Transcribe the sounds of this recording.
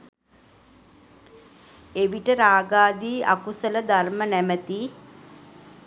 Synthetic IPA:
eʋiʈəɾaːɡaːd̪iːʔa̰kusələd̪armənæmət̪i

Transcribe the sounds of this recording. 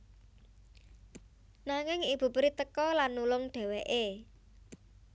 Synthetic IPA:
naŋɪŋib̥ṳpɾit̪əkɔlanːulʊŋɖ̥e̤weʔe

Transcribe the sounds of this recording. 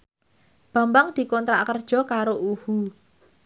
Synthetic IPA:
b̥a̤mbaŋd̪̥i̤kɔnt̪ɾa̰kərd̥ʒ̥ɔ̤kaɾoʔuhu

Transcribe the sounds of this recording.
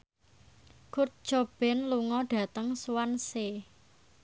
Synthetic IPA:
kur̚d̥ʒ̥ob̥ɛ̤nluŋɔɖ̥ä̤t̪əŋswanse

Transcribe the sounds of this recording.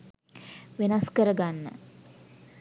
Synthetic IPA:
ʋenaskəɾəɡanːə̰

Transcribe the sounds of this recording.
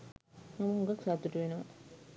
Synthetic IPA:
mɐmɐuŋɡɐksat̪ːuʈuʋenuʋɐ

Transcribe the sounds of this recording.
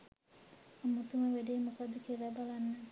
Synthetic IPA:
amut̪uməʋeɖeːmukad̪ːəkeɾabalanːə

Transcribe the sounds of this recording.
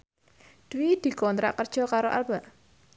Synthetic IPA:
d̪̥wid̪̥i̤kɔnt̪ɾa̰ʔkərd̥ʒ̥ɔ̤kaɾoʔa̰lb̥a̤ʔ

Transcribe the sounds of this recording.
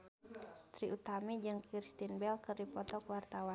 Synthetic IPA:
t̪ɾiut̪amid͡ʒɨŋkirst̪inbɛlkɨrdipɔt̪ɔkwart̪awa

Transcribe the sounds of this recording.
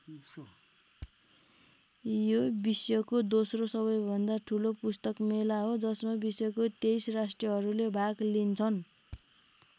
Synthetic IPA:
jobisjʌkod̪osrosʌβʌjbʱʌnd̪aʈʰulopust̪ʌkmelaɦod͡zʌsmabisjʌkot̪ejsrasʈrʌɦʌɾulebʱaɡlint͡sʰʌn

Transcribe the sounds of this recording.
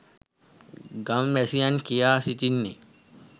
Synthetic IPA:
ɡamʋɛsijankijaːsit̪inːḭ

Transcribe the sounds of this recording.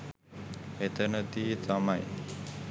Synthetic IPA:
et̪ənət̪iːt̪amaj

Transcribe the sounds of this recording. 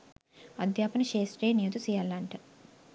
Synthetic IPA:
ɐd̪jaːpɐnɐʃeːsʈɾeːnijut̪usijalːaɳʈɐ

